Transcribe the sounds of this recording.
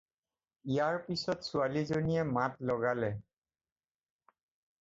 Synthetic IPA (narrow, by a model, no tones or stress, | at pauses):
ijaɹpisɔtsualizoniɛmatlɔɡalɛ